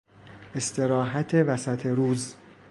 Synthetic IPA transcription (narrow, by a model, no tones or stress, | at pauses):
e̞st̪ʰe̞ɾɒːɦæt̪ʰevæsæt̪ʰeɾuːz